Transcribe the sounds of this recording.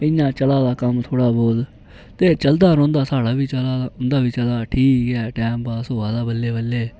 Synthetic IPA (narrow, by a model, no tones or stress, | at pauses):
ɪjãːt͡ʃəlaːd̪aːkəmt̪ʰoːɽaːboːl | t̪eːt͡ʃəld̪aːɾɔ̃ːnd̪aːsaːɽaːʋiːt͡ʃəlaːʊnd̪aːʋiːt͡ʃəlaːʈʰiːkɛːʈɛːmpaːsɦoːaːd̪aːbəlːeːbəlːeː